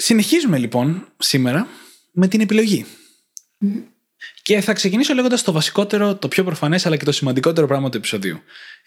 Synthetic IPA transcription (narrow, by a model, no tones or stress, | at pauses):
sine̞çizume̞lipo̞nsime̞ɾɐ | me̞t̪ine̞pilo̞ʝi | ce̞θɐkse̞ciniso̞le̞ɣond̪ɐst̪ovɐsi̥ko̞t̪e̞ɾo̞t̪o̞pço̞pɾo̞fɐne̞sɐlɐce̞t̪o̞simɐnd̪iko̞t̪e̞ɾo̞pɾɐɣmɐt̪ue̞piso̞ðḭu